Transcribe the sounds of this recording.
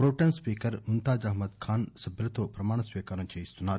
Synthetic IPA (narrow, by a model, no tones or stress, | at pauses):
pɾoːʈɐnspiːkɐɾunt̪aːd͡ʒɐɦmɐd̪kʰaːnsɐbʱlɐt̪oːpɾɐmaːɳ̃ɐsʋiːkaːɾɐnt͡ʃɐjist̪ʰunaː